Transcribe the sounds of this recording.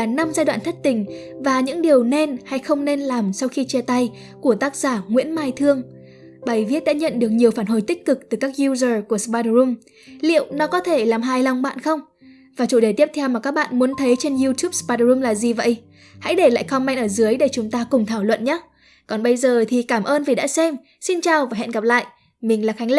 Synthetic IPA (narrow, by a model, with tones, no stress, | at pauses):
a˨˩na˧mzaː˧jwa̰ː˧˨nt̪ʰə˦˥t̚t̪ï˨˩ŋ̟vaː˨˩ɲɨ̰˧˥ŋɗi˨˩əwne˧nha˧jxə˧wŋ͡mne˧nlaː˨˩msa˧wxi˧t͡ɕɛ˧t̪a˧j | ku˧˩ət̪aː˦˥k̚z̥aː˧˩ŋwḭ˧˥nmaː˧jt̪ʰɨ˧əŋ | ɓa˨˩jvi˦˥ət̚ɗa̰ː˧˥ɲə̰˧˨nɗɨ˨˩ək̚ɲi˨˩əwfaː˧˩nɦo˧˩jt̪ï˦˥k̟̚kɨ˨˩k̚t̪ɨ˨˩kaː˦˥k̚zu˧zəː˨˩ku˧˩əspa˧zu˧m | lḭ˧˨əwnɔ˨˦kɔ˨˦t̪ʰe˧˩laː˨˩mɦaː˧jla˧wŋ͡mɓa̰ː˧˨nxə˧wŋ͡m | vaː˨˩t͡ɕu˧˩ɗe˧˩t̪i˦˥t̪ʰɛ˧wmaː˨˩kaː˦˥k̚ɓa̰ː˧˨nmu˨˦ənt̪ʰə˨˦jt͡ɕe˧nzu˧t̪ju˦˥p̚spaː˧tzu˧mlaː˨˩zi˨˩və̰˧˨j | ha̰˧˥jɗe˧˩la̰ː˧˨xa˧wŋ͡mma˧jŋʔəː˧˩zɨ˨˦əjɗe˧˩t͡ɕʊ˨˦ŋ͡mt̪aː˧kʊ˨˩ŋ͡mt̪ʰaː˧˩wlwə̰˧˨nɲaː˦˥ | kɔ˨˩nɓə˧jzəː˨˩t̪ʰi˨˩kaː˧˩mʔəː˧nvi˨˩ɗa̰ː˧˥sɛ˧m | si˧nt͡ɕaː˨˩wvaː˨˩ɦɛ̰˧˨nɣa˨˩p̚la̰ː˧˨jʔ | mï˨˩ŋ̟laː˨˩xa˨˦ŋl